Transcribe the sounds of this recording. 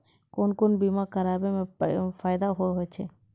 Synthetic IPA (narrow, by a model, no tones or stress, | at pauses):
konkonbimaɾkəɾabefajd̪aɦoeɦojt͡ɕʰe